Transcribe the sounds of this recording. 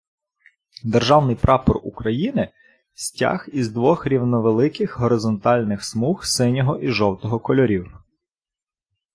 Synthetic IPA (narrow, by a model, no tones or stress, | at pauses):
d̪erʒɑwnɪjpɾɑpɔrukɾɐjinɪ | sʲtʲa̰xizd̪ʋɔxɾʲiwnɔʋelˠɪkɪxɦɔɾɪzɔnt̪ɑlʲnɪxsmuxsɪnʲɔɦɔʔiʒɔwt̪ɔɦɔkɔlʲɔɾʲiw